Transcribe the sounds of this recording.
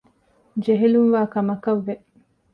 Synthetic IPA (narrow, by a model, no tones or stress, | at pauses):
d͡ʒeɦeluŋʋaːkɐmɐkɐʋːe